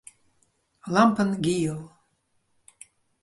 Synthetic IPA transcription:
lampʰənɡʲijəl

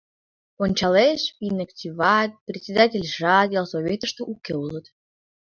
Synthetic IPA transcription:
onʲt͡ɕɑleʃvinəkt͡ɕʲivɑt̪̚ʲprʲetʲsʲed̪atʲelʲʒɑd̪ʲalˠsovʲet̪əʃt̪ə̆ʔukeulət̪

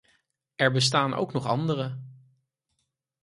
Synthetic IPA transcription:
ɛɹbəs̬taːnʔo̰wknɔχɑndərə

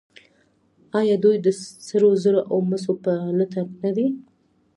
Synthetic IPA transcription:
ɑjɑd̪ujd̪əsəɾozəɾoʔawməsopələt̪apnad̪i

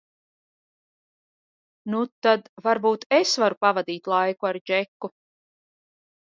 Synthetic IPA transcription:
nut̪ad̪vaɾbuːt̪esvaɾupavad̪iːt̪lˠajkuaɾd͡ʒɛkːu

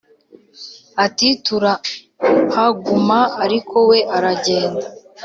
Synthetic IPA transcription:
atituɾa | haɡumaːɾikʰo̞we̞ʔaɾaɟe̞ːnda

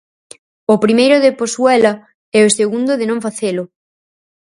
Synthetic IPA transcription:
ʊpɾimejɾʊðɪposwɛlɐ | ɛʊseɣund̪ʊðɪnõŋfaθelʊ

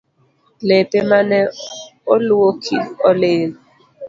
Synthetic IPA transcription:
lepʼɛmanɛolʊwokʰiɔleːli

